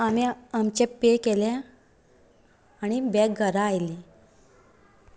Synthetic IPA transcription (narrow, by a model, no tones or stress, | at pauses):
amiamt͡ɕepekelɛ̃ | añibɛk̚ɡʱəɾaːjli